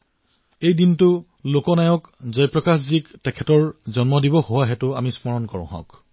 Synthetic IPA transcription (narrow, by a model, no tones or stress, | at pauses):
ejdintʊ | lokɔnajɔkzɔjpɹɔkasziktɛkʰɛtɔɹzɔnmɔdibɔhowaɦɛtʊamismɔɹɔnkɔɹʊ̰̃ɦɔ̰̃k